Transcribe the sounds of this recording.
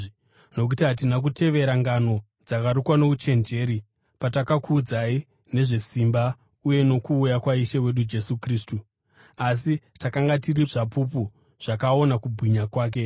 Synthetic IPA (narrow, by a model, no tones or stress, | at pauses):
no̞k̬utiɦat̬inak̬ute̞ʋe̞ɾaŋɡano̞ | d͡zakaɾukwano̞kut͡ʃe̞nd͡ʒe̞ːɾi | patakakuːd͡zai | ne̞ʐe̞simba | uje̞no̞kuːjakwaiʃewe̞ɗud͡ʒe̞sukriːstu | as̬itakaŋɡatiriʐapup̬u | ʐ̥akao̞nakubʱwiɲakwaːk̬e̞